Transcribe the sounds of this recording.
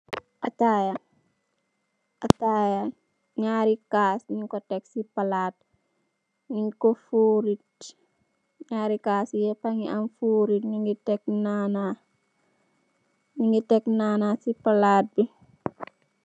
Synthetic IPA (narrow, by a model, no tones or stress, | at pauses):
ʔataja | ʔataja | ɲaːɾikaːsɲiŋkɔtɛksipalaːt̚ | ɲiŋkofuːɾit̚ | ɲaːɾikaːsjɛpaŋianfuːɾitɲiŋɡitɛk̚naːna | ɲiŋɡitɛknaːnasipalaːt̚bi